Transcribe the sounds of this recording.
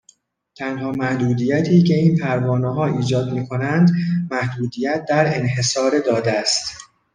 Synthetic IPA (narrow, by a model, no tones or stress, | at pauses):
t̪ʰænhɒːmæhd̪uːd̪iːjæt̪ʰiːcʰe̞iːnpʰæɾvɒːnɛɦɒːiːd͡ʒɒːd̪miːkʰo̞nænd̪mæhd̪uːd̪ijæt̪̚ʰd̪æɾenɦe̞sɒːɾed̪ɒːd̪eæst̪